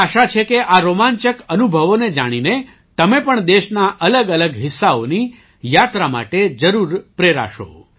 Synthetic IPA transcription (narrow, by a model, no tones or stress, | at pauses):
aʃat͡ʃʰekeʔaɾomãɲt͡ʃəkənubʱəʋoned͡ʒaɽ̃ine | t̪əmepəɳd̪eʃnaʔələɡələɡɦɪsːaoni | jat̪ɾama̰ʈed͡ʒəɾuɾpɾeɾa̰ʃo̰